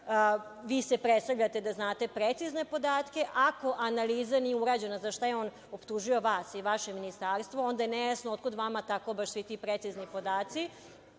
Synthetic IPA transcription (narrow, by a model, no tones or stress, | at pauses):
ʋiːse̞pɾet̪st̪avʎat̪e̞d̪aznaːt̪e̞pɾet̪sizne̞po̞d̪aːt̪ke̞ʔako̞ʔanaliːzanijeuɾaːd͡ʑe̞nazaʃt̪ajeo̞ːn | opt̪uʒujo̞ʋaːsiʋaʃe̞minist̪aːɾst̪ʋo̞ond̪ajenejasnoot̪̚kod̪ʋamat̪ako̞baʃsʋit̪ipɾet̪siznipo̞d̪aːt̪si